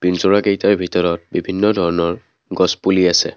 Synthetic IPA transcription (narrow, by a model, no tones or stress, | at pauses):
b̥inzʊɹaɡejtaɹbʱitɔɹɔt̚bibʱinːɔdʱɔɹɔnɔɹ | ɡɔspuliasɛ̰